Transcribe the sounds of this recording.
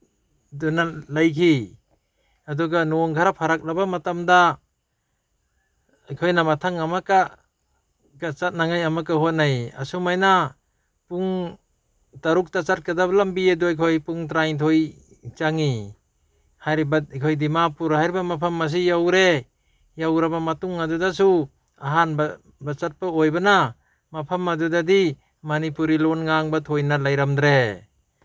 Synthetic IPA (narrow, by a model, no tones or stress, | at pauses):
dunalajkʰi | aduɡanɔŋɡʰaɾapʰaɾak̚labamatamda | ajkʰojnamatʰaŋamaka | ɡat͡ʃat̚naŋajamakahot̚naja̰sumajna | puŋ | taɾuk̚tat͡ʃat̚kadabalambiaduajkʰojpuŋtɾajtʰoj | t͡ʃaŋi | hajɾibakʰojdimapuɾhajɾibamapʰamːas̬ijawɾe | jawɾabamatuŋadudas̬u | aɦanba | bat͡ʃat̚paojbana | mapʰamːadudadi | manipuɾilonŋaŋbatʰojnalajɾamdɾe